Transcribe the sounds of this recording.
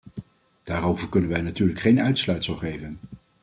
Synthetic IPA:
d̥aːɾowvəɹkɵnənʋɛjnatyːɹləkχejnœɥtslœɥtsəlˠχejvən

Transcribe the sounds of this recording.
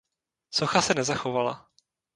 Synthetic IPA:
soxasɛnɛzaxovala̰

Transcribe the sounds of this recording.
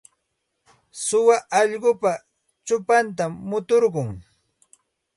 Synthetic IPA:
sʊwaʔɑʎɢʊpa | t͡ʃʊpant̪amːʊt̪oɾɢʊŋ

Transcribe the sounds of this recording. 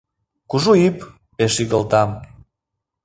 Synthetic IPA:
kuʒuip | peʃiɣəlt̪ɑm

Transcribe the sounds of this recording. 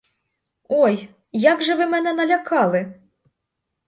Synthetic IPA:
ɔj | jaɡʐɐvɨmɛnɛnɐlʲakʰalˠɨ

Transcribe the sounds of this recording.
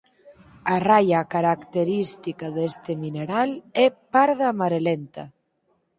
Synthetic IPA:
arajakaɾakt̪eɾist̪ikaðest̪emineɾalɛpaɾðamaɾelent̪a

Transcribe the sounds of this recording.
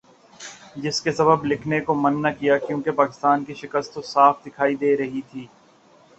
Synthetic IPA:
d͡ʒɪskesɐbəblɪkʰnekomɐnːɐkijakjũːkepaːkɪst̪aːnkiʃɪkəst̪ːosaːfd̪ɪkʰaːid̪eːɾɐɦit̪ʰiː

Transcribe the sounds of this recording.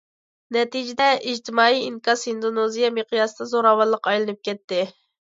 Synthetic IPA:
nɛt̪id͡ʒɪd̪ɛʔiʒt̪ʰɪmɑːiinkɑsind̪onozijɑmeqijɑsɨd̪ɑzoɾɑwɑlˠːəqɑjlˠɨnɨp̚kʲʰɛt̪ːɪ

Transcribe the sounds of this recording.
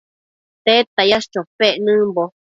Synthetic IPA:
t̪et̪ajaʃt͡ʃopeʔnɨ̃mbo

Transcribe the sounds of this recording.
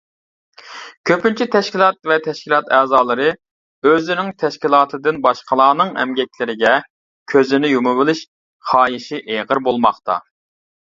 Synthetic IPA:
kʲʰøpynt͡ʃʰit̪ʰɛʃkʲilˠɑt̪̚vɛt̪ʰɛʃkʲilˠɑt̪ɛːzɑːlˠɨɾɨ | øzɪnɪŋt̪ʰɛʃkʲilˠɑːt̪ʰɨd̪ɨnbɑʃqəlˠɑːnɨŋɛ̰mɡʲɛk̚ʲʰlɪɾɪɡʲɛ | kʲʰøzɪnɪjumɨbɨlˠɪʃ | χɑːjiʃiʔeʁəɾbolˠmɑχt̪ʰɑ̰

